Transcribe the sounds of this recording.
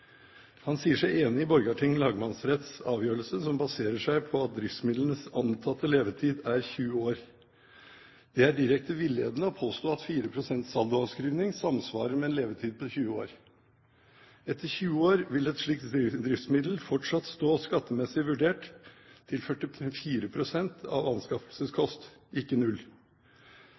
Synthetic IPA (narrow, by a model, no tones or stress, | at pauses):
hɑnsiːəʂæɪeːnɪɪbɔɾɡɑʈʰɪŋlɑːɡmɑnsɾɛt̪sɑːʋjøːɾəlsəsɔmbɑseːɾəʂæɪpʰɔɑt̪̚d̪ɾɪft̪smɪd̪lənəsɑnt̪ʰɑt̪ːəleːʋət̪ʰiːd̪æɾçʉːəoːɾ | d̪̥ɛæɖɪɾɛk̚t̪əʋɪlːɪeːd̪ənəɔpʰoːst̪oːɑt̪fiːɾəpʰɾʊsɛnt̪sɑlˠd̪ʊɑskɾyːʋnɪŋsɑmsʋɑ̰ːɾəɾmɛːnleːʋət̪ʰiːd̪̚pʰɔçʉːəo̰ːɾ | ɛt̪əɾçʉːəoːɾʋɪlɛt̪ʂɭiːk̚t̪d̪ɾɪft̪smɪd̪l̩fɔʈʂɑt̪st̪oːskɑt̪ːəmɛsɪʋʉɖeːʈ̪ʰː | ɪlfœʈɪɛfiːɾəpʰɾʊsɛnt̪ʰɑ̰ʋɑnskɑfəlsəskʰɔst̪ɪkːənʉl